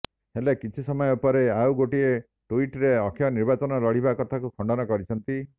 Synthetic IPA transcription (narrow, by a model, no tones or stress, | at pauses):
helekit͡ʃʰisɔmɔjɔupɔɾeawɡoʈie | ʈuiʈɾeɔkʰjɔniɾbat͡ʃɔnɔlɔɽ̤ibakɔt̪ʰakukʰɔɳɖɔnɔkɔɾit͡ʃʰɔnt̪i